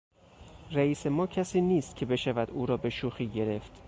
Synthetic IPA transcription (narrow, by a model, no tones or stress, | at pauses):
ræiːse̞mɒːcʰæsiːniːst̪̚cʰe̞be̞ʃævæd̪uːɾɒːbe̞ʃuːxiːɟe̞ɾe̞ft̪